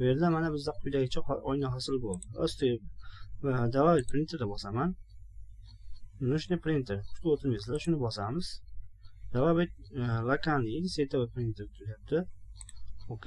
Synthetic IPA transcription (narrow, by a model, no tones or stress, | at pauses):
ʊjeɾd̪amanabɪzd̪aqʰʊjd̪aɡʲɪt͡ʃʰaɒjnaɦasɪlˠbolˠd̪ɪo̰st̪ʰe | d̪avabet̪̚ʲpʰɾɪnt̪ʰeɾd̪abɒsaman | nʊʃnɪpʰɾint̪ʰeɾʊ̥ʃt̪ʊot̪ʰɪmeslaʃʊnɪbɒsamɪz̥ | d̪avabet̪̚ʲlakanɪsejt̪ʰabapɾɪnt̪ʰeɾt̪ʰʊɾajap̚t̪ʰɪ | okʲe